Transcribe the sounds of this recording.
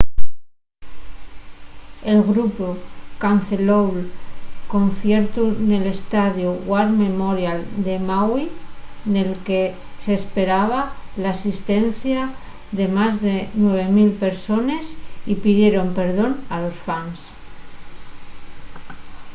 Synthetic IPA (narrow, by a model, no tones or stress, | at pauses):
e̞lɣɾupokanθelowlko̞nθje̞ɾt̪une̞le̞st̪aðjuɣwaɾme̞moɾjald̪e̞mawine̞lke̞ | seːspe̞ɾaβ̞alaːsist̪e̞n̟θja | ðe̞mazðe̞nwe̞β̞e̞milpe̞ɾso̞ne̞sipiðje̞ɾo̞mpe̞ɾð̞o̞nalo̞sfans